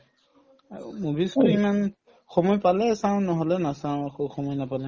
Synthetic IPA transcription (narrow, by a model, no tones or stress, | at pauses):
mobiskoɹiman | xɔmɔjpalɛsaʊ̃nɔɦɔlɛnasaw̃axoxɔmɔjnapalɛ